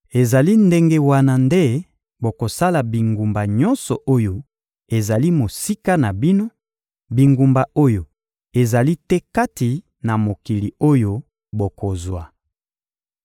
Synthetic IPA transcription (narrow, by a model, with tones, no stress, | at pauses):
e˨za˨li˦nde˦ŋɡe˦wa˦na˨nde˦ | bo˨ko˨sa˦la˨bi˨ŋɡu˨mba˨ɲɔ̃˦nsɔ˨ʔo˦jo˦ | e˨za˨li˦mo˨si˦ka˦na˨bi˦no˦ | bi˨ŋɡu˨mba˨ʔo˦jo˨ | e˨za˨li˦tɛ˦ka˦ti˨ | na˨mo˨ki˨li˨o˦jo˦ | bo˨ko˨zwa˨